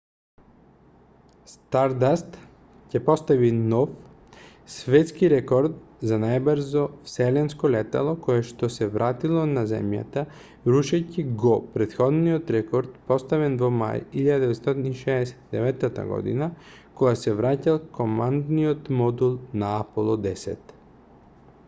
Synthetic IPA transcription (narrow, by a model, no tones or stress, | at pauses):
st̪aɾd̪ast̪ | cɛpɔst̪avinɔf | svɛt̪skiɾɛkɔɾt̪̚zanajbɾzɔfsɛlɛnskɔlɛt̪a̰lˠokɔjɛʃt̪ɔsɛvɾʔat̪ilˠɔnazɛ̰mja̰t̪a | ɾuʃɛciɡɔpɾɛt̪xɔd̪niɔt̪ɾɛkɔɾt̪pɔst̪avɛnvɔma̰jiʎad̪d̪ɛvɛt̪st̪ɔt̪iniʃɛːsɛ̥t̪id̪ɛvɛt̪ːat̪a̰ɡɔ̰d̪ḭna | kɔɡasɛvɾacalˠkomand̪niɔt̪mɔd̪ulˠnaapolˠɔd̪ɛsɛ̰t̪